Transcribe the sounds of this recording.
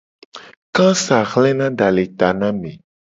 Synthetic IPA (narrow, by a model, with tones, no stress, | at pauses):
kã˦sa˨xlɛ˦nã˦ɖa˨le˨t̪a˨nã˦mẽ˨